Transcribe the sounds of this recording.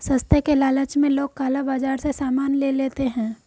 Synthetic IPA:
sə̃st̪ʰjəkelaːlət͡ʃmẽloːɡ̚kaːlabaːd͡ʒaːɾsesaːmaːnleleːt̪eɦɛ̃ː

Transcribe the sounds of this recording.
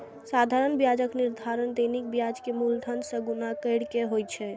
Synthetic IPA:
sad̪ʱaɾənbjad͡ʒəkniɾd̪ʱaɾənd̪ənik̚bjad͡ʒkemult̪ʰənsəɡunakəɪɽkeɦojt͡ʃʰɛ

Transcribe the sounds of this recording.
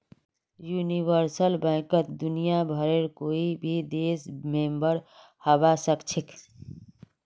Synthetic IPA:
juniʋəɾsəlbãkət̪d̪unijabʱəɾeɾkoibʱid̪esmembəɾ | həbasəkt͡ʃʰek

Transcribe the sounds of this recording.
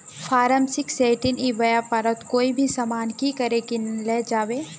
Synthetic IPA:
fʰaːɾəmsɪkseːʈɪniʋɐjapɐɾət̪koːibʱisamaːnkikɐɾekinlɛːd͡ʒaːʋeː

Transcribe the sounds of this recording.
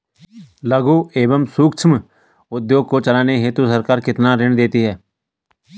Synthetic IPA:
ləɡuːeːbəmsuːkt͡ʃʰəm | ʊd̪joːɡ̚koːt͡ʃəlaːneɦeːt̪usəɾkaːɾkɪt̪nãːɾɪɳd̪eːt̪iːɦɛː

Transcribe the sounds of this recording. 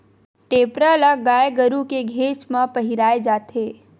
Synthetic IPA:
ʈeːpɾalaɡaːjeɡəɾukeɡʱeːt͡ʃmãpəɦiɾaːed͡ʒaːt̪ʰeː

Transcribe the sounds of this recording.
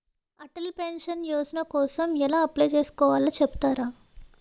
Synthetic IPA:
ɐʈɐlpenʂɐnjoːsnɐkɔːsɐmɛlaːɐplejt͡ʃe̞ːsu̥kɔːʋaːlɐt͡ʃɛbu̥t̪aːɾaː

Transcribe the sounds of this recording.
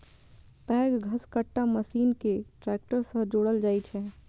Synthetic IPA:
pɛːɡɡʱəskəʈːaməsiːnkeʈɾɛk̚ʈəɾsə̃ɦd͡ʒoɽəld͡ʒaːjt͡ʃʰɛ

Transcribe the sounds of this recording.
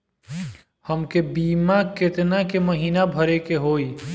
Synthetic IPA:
həmkebiːmakɪt̪nakeməɦiːnabʱəɾekeɦoːi

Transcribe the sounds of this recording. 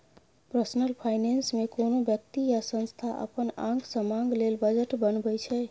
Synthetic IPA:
pɾəsnəlpʰajnensmekonobjək̚t̪ijasə̃nst̪ʰaʔə̰pənã̰ŋɡsəmãŋɡlelbəd͡ʒəʈbənbəjt͡ʃʰɛ

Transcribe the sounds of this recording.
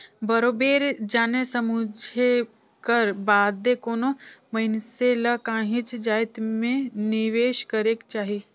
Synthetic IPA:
bɐɾoːbeːɾd͡ʒaːnesəmud͡ʒʱe | kəɾbaːd̪ːekoːnomɐɪnselɐkãːɦɪ̃t͡ʃd͡ʒaːɪt̪mẽnɪʋeːʃkɐɾekt͡ʃaːɦi

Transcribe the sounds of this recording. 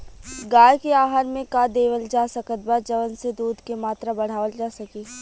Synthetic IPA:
ɡaːjkeaːɦaɾmẽkad̪eːʋəld͡ʒaːsəkət̪̚bad͡ʒɐʋənsed̪uːd̪ʱkemaːt̪ɾabɐɽ̤aːʋəld͡ʒaːsɐkeː

